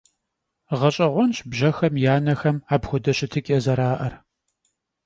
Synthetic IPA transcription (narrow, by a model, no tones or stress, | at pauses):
ʁɐɕʼɐʁʷɔnɕbʒɐxɐmjaːnɐxɐmaːbxʷʊdɐɕɪtʰɨkʲʼɐzɐɾaːʔɐr